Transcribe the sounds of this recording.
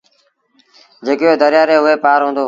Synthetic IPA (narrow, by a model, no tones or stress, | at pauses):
d͡ʒeːkɪoːd̪əɾɪjaːɾeːɦʊeːpaːɾɦũːnd̪oː